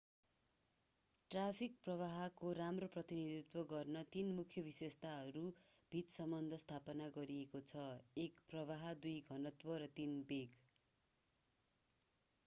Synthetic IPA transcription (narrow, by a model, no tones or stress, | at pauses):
ʈrapʰik̚prʌβaɦʌkoɾamroprʌt̪inid̪it̪wʌɡʌrnʌt̪inmukʰjʌbisest̪aɦʌɾub̥ʱit̪sʌmbʌnd̪ʱʌst̪ʰapʌnaɡʌɾiekot͡sʰʌekprʌβaɦʌd̪ujɡʱʌnʌt̪wʌɾʌt̪inbeɡ